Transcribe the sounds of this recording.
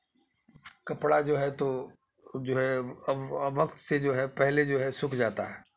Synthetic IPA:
kɐpɽad͡ʒoːɦɛt̪o | d͡ʒoːɦɛ | ʋɐkt̪sed͡ʒoːɦɛpɛɦled͡ʒoːɦɛsʊkʰd͡ʒaːt̪aɦɛː

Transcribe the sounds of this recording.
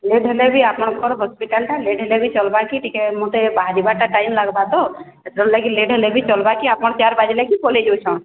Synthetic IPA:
leɖɦəlebʱiapɔnkʰɔɾɦɔspiʈalʈaleɖɦəlebʱit͡ʃɔlbakiʈikemot̪ebaɦaɾibaʈaʈajmlaɡbad̪ɔ | et̪ɾɔllakileɖʱɦəlebʱit͡ʃɔlbakiapɔɳt͡ʃaɾbad͡ʒilakikoled͡ʒet͡ʃʰɔ̃

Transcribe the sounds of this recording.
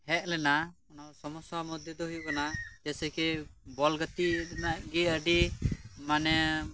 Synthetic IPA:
hɛʔ̚lɛnaɔnasɔmɔsamɔd̪ʱjɔd̪ɔɦujukanad͡ʒɛsɛkɛbɔlɡət̪iɛnaʔɡɛəɖimanɛ

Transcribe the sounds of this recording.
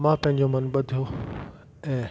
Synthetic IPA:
mãːpɐ̃ɦɪ̃ɲd͡ʑomɐnɓɐd̪ʱijo | ɛ̃ː

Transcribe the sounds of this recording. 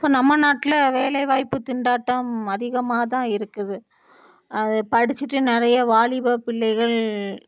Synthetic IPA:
pːoːnɐmːɐnaːʈːɪlɐʋeːlɐɪʋaːjpːɯt̪ɪɳɖaːʈːɐmɐðɪɣɐmaːɐt̪ãːɪɾɯkːɐðɯ | ɐðɯpɐɽɪt͡ʃːɪʈːɯnɪɾɐjɐʋaːɭɪbɐpɪɭːɐɪɣɐɭ

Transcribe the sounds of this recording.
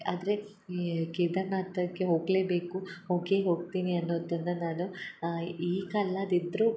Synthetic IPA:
aːd̪ɾe̞ | keːd̪ɐnaːt̪ɐkːe̞ɦo̞ːɡleːbe̞ːkuhoːɡeːɦo̞ːɡ̚t̪iːniɐnːoːd̪ɐnːɐnaːnu | iːkɐlːɐd̪id̪ɾu

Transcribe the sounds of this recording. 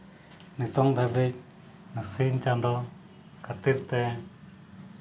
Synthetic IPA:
nit̪ɔŋd̪abit̚ | nəsiɲt͡ʃãnd̪ɔ | kat̪iɾt̪ɛ

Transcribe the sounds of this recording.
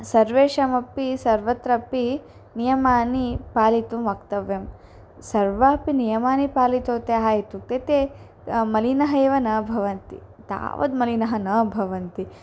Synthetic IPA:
sɐɾʋeːʃɐmɐpːisɐɾʋɐt̪ɾɐpːi | nijɐmaːnipaːlit̪umʋɐkt̪ɐʋjɐm | sɐɾʋaːpinijɐmaːnipaːlit̪oːt̪eɦaːjit̪uk̚t̪et̪e | mɐlinɐɦɐeːʋɐnɐbʱɐʋɐnt̪ḭ | t̪a̰ːʋɐ̰d̪mɐlinɐɦɐnɐbʱɐʋɐnt̪i

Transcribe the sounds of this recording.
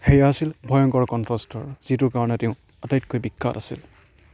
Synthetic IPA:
xejaasilbʱɔjɔŋkɔɹkɔntɹɔstɔɹz̥itʊɹkaɹɔnɛteʊ̃ | atajt̚kojbikʰːa̰tasḭl

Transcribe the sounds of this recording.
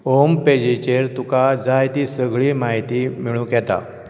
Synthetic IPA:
omped͡ʑit͡ɕeɾt̪ukad͡zajt̪iːsəɡɭiːmaɦit̪imiɭũːkjɛt̪a̰

